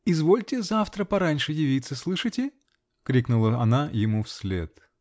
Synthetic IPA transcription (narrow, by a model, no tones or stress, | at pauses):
ɪzvo̞lʲtʲɪzaft̪ɾəpɐɾanʲʂɨjɪvʲit̪səslˠɨʂɨtʲɪ | kɾʲiknʊlˠəɐnajɪmufsʲlʲḛt̪